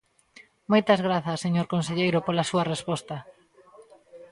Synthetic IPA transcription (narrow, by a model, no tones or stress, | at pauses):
mojt̪ɐzɣɾaθɐsːeɲoɾkonseʎejɾʊpolɐsuɐrespɔst̪ɐ